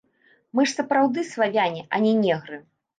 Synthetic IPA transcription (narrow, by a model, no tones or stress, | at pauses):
mɨʂsɐpɾawd̪ɨsvavʲanʲɛʔanʲɛnʲɛɣɾɨ